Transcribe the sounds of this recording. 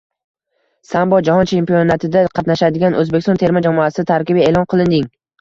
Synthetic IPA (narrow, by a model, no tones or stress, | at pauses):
sambɒd͡ʒahɒnt͡ʃʰe̞mpionat̪ʰɪd̪aqʰɑt̪naʃad̪ɪɡʲanʔɵzbekʲɪst̪ɔnt̪ʰe̞ɾmad͡ʒamɒasɪɪt̪ʰaɾkʲɪbɪeːlˠɒnqʰɨlˠɪnd̪ɪŋ